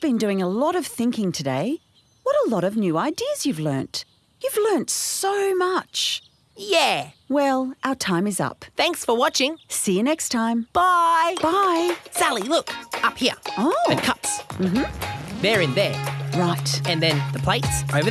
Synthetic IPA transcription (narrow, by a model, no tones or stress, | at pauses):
b̥ɨ̃ndʉɪ̃ŋəlɔɾʌv̥θɪ̃ŋkɪ̃ŋtʰɨdeɪ | wʌɾəlɔɾʌvnjʉaɪdiɨz̥jʉvlɜ̰̃˞nt | jʉvlɜ̃˞ntsoʊmʌt͡ʃ | jæwɛlˠʔaʊə˞tʰãɪ̃mɨzʌ̰pθæ̃ŋksfə˞wɑt͡ʃɪ̃ŋsiɨnɛkstʰãɪ̃mb̥aɪb̥aɪsælˠilʊkʌphiɹoʊɨ̃nkʰʌpsm̩m̥m̩ðə˞ɨ̃nðə˞ɹaɪtɨ̃nðɨ̃nðəpʰl̥eɪtsʔoʊvə